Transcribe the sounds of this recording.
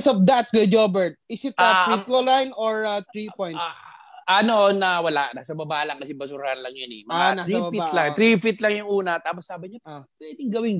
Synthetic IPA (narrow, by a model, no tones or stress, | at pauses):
sɐp̚d̪at̪̚ɡɛd͡ʒobɛɹt̪̚ɪsɪt̪̚aɾit̪lolajnoɹat̪ɾipojnt̪sʔɐnoʔonːɐwɐla̰ʔnaːsɐbɐbaːʔlɐŋkɐsɛbɐsuɾahɐnlɐŋjanɛmɐanasɾibafit̪laŋt̪ɾifit̪lɐŋjʊŋʔuːnɐt̪aːposːaːbɪɲat̪pwɛːd̪ɪŋɡɐwɪŋ